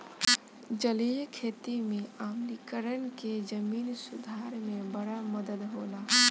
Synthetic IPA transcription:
d͡ʒəlijkʰeːt̪imẽaːmlikəɾənked͡ʒəmiːnsud̪ʱaɾmẽbəɽaməd̪əd̪ɦoːla

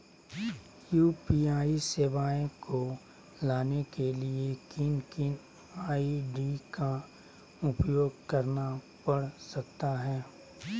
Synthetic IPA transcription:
juːpiːaːiseːʋaːẽko | laːnekeliekɪnkɪn | aːiɖika | ʊpjoːɡkɐɾna | pɐɽsɐk̚t̪aɦɛː

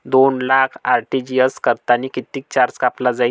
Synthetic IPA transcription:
d̪onlakʰaɾʈid͡ʑijəskəɾt̪anikit̪iːk̚t͡ɕaɾskaplad͡zai

